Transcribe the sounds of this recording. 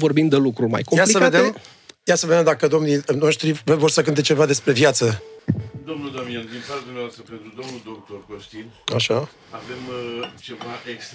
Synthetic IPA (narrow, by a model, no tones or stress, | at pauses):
vo̞rbimd̪elukɾuma̰jkomjalisəved̪em | jasəve̞d̪ed̪akəd̪o̞mnino̞ʃt̪ɾivəvo̞rsək̬ɨnt̪̬et͡ʃe̞vad̪e̞spɾe̞vjat̪sə | d̪o̞mnuld̪amiand̪infad̪umneaoast̪əpe̞nt̪ɾud̪o̞mnuld̪o̞k̚t̪o̞rkoʃt̪inaʃa | ave̞mt͡ʃe̞vaʔekst̪